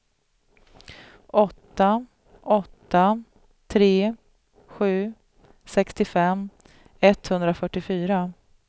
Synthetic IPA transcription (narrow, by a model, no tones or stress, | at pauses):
ʔɔt̪ːa | ʔɔt̪ːa | t̪ʰɾeː | ɧʉ̟ː | sɛkst̪ɪfɛm | ɛt̪ːhɵnd̪ɾafœʈːɪfyːɾa